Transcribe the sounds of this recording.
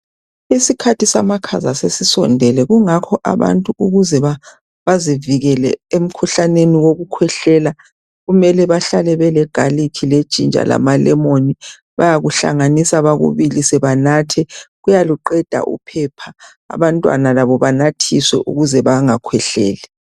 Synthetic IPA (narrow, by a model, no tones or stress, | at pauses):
isikʰatʰisamakʰazasesisɔ̰ndʱɛlɛɣuŋakʰɔʔa̰βa̰ntʼuuɣuzɛβa | βaziviɣɛlɛ̰em̩kʰuɬaneniwoɣukʰwɛɬɛːla | ɣumɛlɛβaɬalɛβɛlɛɡ̥ʱalikʰile̥t͡ʃʼḭnd͡ʒʱʼa̰la̰malɛmoni | βa̰jaɣuɬa̰ŋanisaβaɣṵβilisɛβanaːtʰɛɣujaluǃɛd̥ʱa̰ʔṵpʰɛpʰa̰ː | βantʼwa̰nalaβɔβanatʰiswɛ̰ʔṵɣuzɛβaŋakʰwɛɬɛ̰ːlɛ